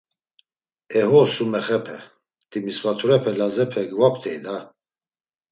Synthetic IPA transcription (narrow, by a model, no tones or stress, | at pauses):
ɛhɔsumɛχɛpʰɛ | t̪ʼimisvat̪ʰuɾɛpʰɛlazɛpʰɛɡvakʰt̪ʰɛjd̪a